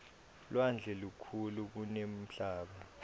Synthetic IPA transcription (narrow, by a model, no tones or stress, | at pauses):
lwand͡ɮʱɛlukʰuluk̬unem̩ɬaːɓa